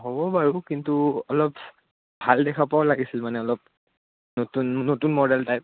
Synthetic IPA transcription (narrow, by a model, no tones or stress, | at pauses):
ɦobɔbaɹukintuɔlɔp | bʱaldɛkʰapaʊlaɡisilmanɛɔlɔp̚ | notunːotunmɔdɛltajp̚